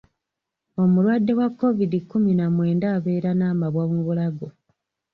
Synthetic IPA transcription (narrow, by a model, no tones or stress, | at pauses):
o̞mulwadːe̞wakːo̞vidikːuminamwe̞ːndaːβe̞ːɾanaːmaβwamuβulaɡo̞